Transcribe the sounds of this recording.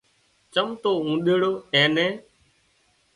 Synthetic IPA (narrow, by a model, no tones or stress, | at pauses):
t͡ʃəmt̪oːũːɗeɽoːɛ̃ːnɛ̃ː